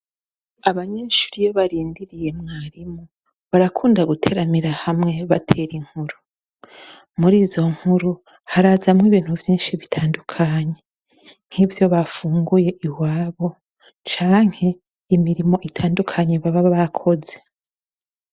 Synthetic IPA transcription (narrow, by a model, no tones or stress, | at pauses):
aβaɲeːʃu̥ɾijoβaɾiːndiɾije̞mŋaːɾimu | βaɾakʰuːndaɡutʰe̞ɾamiɾahamŋe̞βatʰe̞ɾiŋ̥huɾu | muɾiːzo̞ŋ̥huɾu | haɾazamŋiβiːn̥huvjiːnʃiβitʰaːndukʰaɲe̞ | ŋ̥hivjo̞βafuːŋɡuje̞ʔiwaːβo̞ | t͡ʃaːŋ̥he̞ | imiɾimo̞ʔitʰaːndukʰaɲeβaβaββakʰo̞ze̞